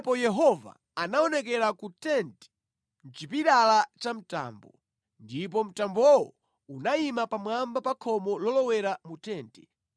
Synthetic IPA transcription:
pɔjɛɦɔva̰ | anaɔnɛkɛɾakutɛntɛ̥ | n̩t͡ʃipiɗalat͡ʃam̩ta̰ːmbɔ | ndip̬ɔm̩tambɔwɔ̰ | unaimapamwambapakʰɔmɔlɔlɔwɛɾamutɛːntɛ

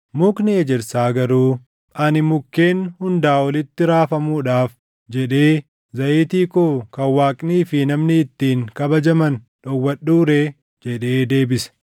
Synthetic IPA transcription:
mʊknɪɛd͡ʒɛɾsaːɡɐɾuː | ʔɐnɪmʊkːe̞ːnhʊnd̪aːwɐlɪt̪ːɪɾaːfɐmuːᶑaːf | d͡ʒɛᶑe̞ː | zɐʔeːt̪iːkoːkɐwaːkʼniːfɪnɐmnɪːt̪ːiːŋkɐbɐd͡ʒɐmɐn | ᶑɔwːɐɗuːɾe̞ː | d͡ʒɛᶑe̞ːd̪e̞ːbɪsɐ̥

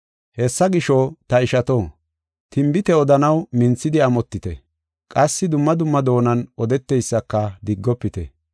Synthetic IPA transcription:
hɛsːɐɡɪʃɔt̪ɐɪʃɐt̪o | t̪ɪmbɪt̪ɛɔd̪ɐnɐwmɪnt͡sːɪd̪ɪɐmɔt̪ːɪt̪ɛ̰ | kʼɐsːɪd̪ʊmːɐd̪ʊmːɐd̪o̞ːnɐnɔd̪ɛt̪ːɛjsːɐkːɐd̪ɪɡːɔpːɪt̪ɛ̰

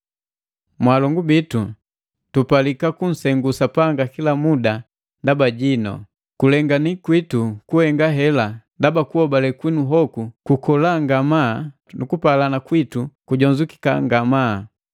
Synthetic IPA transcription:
mwalɔŋɡubitu | tupalikakun̩sɛŋɡusapaŋɡakilamuda | ndabaɟinɔ̰ | kulɛŋɡanikwitukuhɛŋɡaɦɛlandabakuhɔbalɛkwinuɦɔkukukɔlaŋɡama | nukupalanakwitukuɟɔɲd͡ʒuki̥ka̰ŋɡama

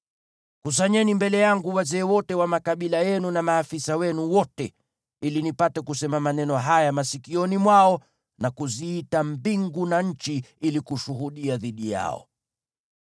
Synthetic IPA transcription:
kus̬aɲɛnimbɛlɛjaŋɡuwazɛːwɔtɛwamakaɓilajɛnunamaːfisawɛnuwɔtɛ | ilinipatɛkusɛmamanɛnɔɦajamasikiɔnimwaɔ | nakuziitambiŋɡunaɲ̩t͡ʃiilikuʃuɦuɗiaðiɗija̰ɔ̰

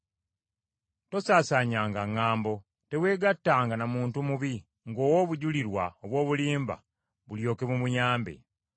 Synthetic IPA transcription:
to̞saːsaɲaːŋɡaŋːaːmbo̞ | te̞we̞ːɡatːaːŋɡanamuːntumuβi | ŋɡo̞ːwoβuɟuliɾwaoβwo̞ːβuliːmba̰ | βuljo̞ːke̞mumuɲaːmbe̞̰

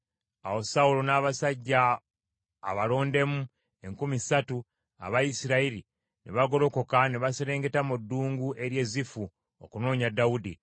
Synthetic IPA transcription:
a̰wo̞saulonaːβasaɟːaː | βalo̞ːnde̞mu | e̞ŋkumisatu | a̰βajisiɾaiɾi | nʔḛβaɡo̞ɾo̞ko̞kaneβaseɾe̞ːŋɡe̞tamudːuːŋɡuʔe̞ɾje̞ːzifu | o̰kuno̞ːɲadːawudi

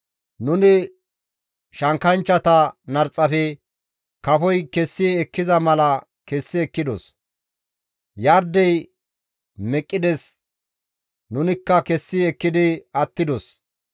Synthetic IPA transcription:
nʊnɪ | ʃɐŋkɐnt͡ʃːɐt̪ɐnɐɾt͡sʼːɐfɛ | kɐfɔjkɛsːɪɛkːɪzɐmɐlɐ | kɛsːɪɛkːɪd̪ɔs | jɐɾd̪ɛj | mɛkʼːɪd̪ɛs | nʊnɪkːɐkɛsːɪɛkːɪd̪ɪɐt̪ːɪd̪ɔs

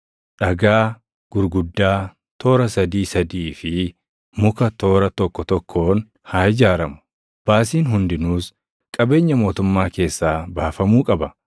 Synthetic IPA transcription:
ᶑɐɡaː | ɡ̥ʊɾɡʊd̪ːaː | t̪o̞ːɾɐsɐd̪iːsɐd̪iːfɪ | mʊkɐt̪o̞ːɾɐt̪ɔkːɔt̪ɔkʰːo̞ːn | haːɪd͡ʒaːɾɐmʊ̥ | b̥aːs̬iːnɦʊnd̪ɪnuːs | kʼɐbe̞ːɲːɐmo̞ːt̪ʊmːaːke̞ːsːaːbaːfɐmuːkʼɐbɐ

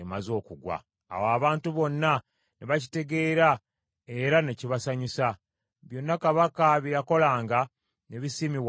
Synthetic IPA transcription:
emazo̞ːkuɡwa̰ː | waβaːntuβo̞nːa | neβaci̥te̞ɡe̞ːɾa | e̞ɾaneciβasaɲusa | βjo̞nːakaβakaβijako̞laːŋɡa | ne̞βisimiw

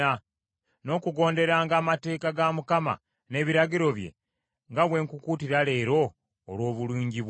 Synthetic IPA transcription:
a | no̞ːkuɡo̞ːnde̞ɾaːŋɡaːmate̞ːkaɡamukama̰ | ne̞ːβiɾaɡiɾo̞βje̞̰ | ŋɡaβwe̞ːŋkukuːtiɾale̞ːɾo̞ː | lwo̞ːβuluːɲɟiβw

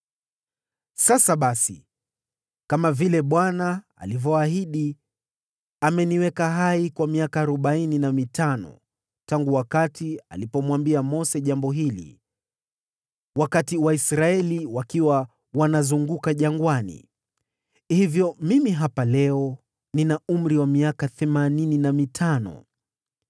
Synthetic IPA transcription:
sasaɓasḭ | kamavilɛɓwana | a̰livɔaɦiɗi | amɛniwɛkaɦaikwamiakaːɾɔɓaininamitʰanɔ̰ | taŋɡuwakatia̰lipɔmwambiamɔsɛʄambɔɦilḭ | wakatiwaisɾaɛliwakiwa | wanazuŋɡukaʄaŋɡwanḭ | hivjɔmimiɦapalɛɔ | ninaum̩ɾiwamiakaθɛmanininamitʰanɔ̰

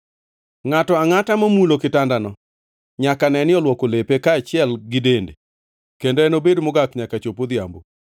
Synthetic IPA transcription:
ŋatɔaŋatamomulokɪtandanɔ | ɲakanɛnɪɔlwɔkolepekaːt͡ʃɪɛlɡɪdende | kendoɛnobedmʊɡakɲakat͡ʃopod̪ɪja̰mbo

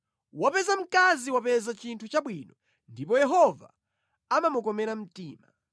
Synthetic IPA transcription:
wapɛzam̩kaziwapɛzat͡ʃintʰut͡ʃaɓwinɔ | ndipɔjɛɦɔva̰ | amamukɔmɛɾam̩tiːma̰

